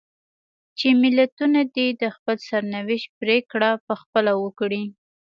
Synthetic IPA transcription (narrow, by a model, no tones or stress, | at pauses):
t͡ʃemɪlat̪unad̪id̪əxpəlsaɾnawɪʃt̪̚pɾekɽapəxpəlawəkɽi